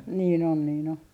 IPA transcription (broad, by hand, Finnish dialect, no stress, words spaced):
niːn on niːn o